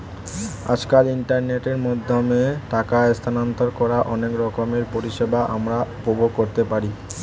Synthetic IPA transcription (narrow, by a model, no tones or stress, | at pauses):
a̰d͡ʑkaliɳʈaɾneʈeɾmɔd̪ʱːomeʈakaest̪ʰanant̪oɾkɔɾaʔɔnekɾɔkomeɾpoɾiʃebaʔamɾapobokoɾt̪epaɾi